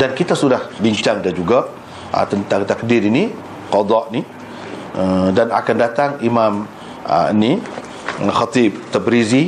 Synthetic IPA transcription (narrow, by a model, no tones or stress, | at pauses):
dankit̪asudahbiɲt͡ʃaŋdand͡ʒuɡa̰ | t̪ənt̪aŋt̪akdiɾini | qɑd̪ɑʔni | ədana̰kandat̪aŋimam̰ | ni | xat̪ib̚t̪abɾizi